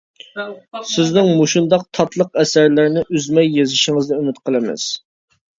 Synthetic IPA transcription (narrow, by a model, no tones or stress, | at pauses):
sɪznɪŋmoʃund̪ɑq̚t̪ʰɑt̪ʰlˠəqɛsæɾlɪɾnɪʔyzmɛjːezɪʃɪŋɨzd̪ɛymɪt̪̚qʰəlˠɨmɪ̰z̥